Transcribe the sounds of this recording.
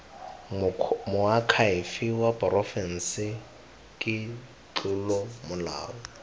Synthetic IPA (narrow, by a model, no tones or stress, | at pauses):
mʊakʰaɪfɪwapʼrɔfɛn̩sɪ | kʼɪ | t͡ɬʊlɔmʊla̰ːɔ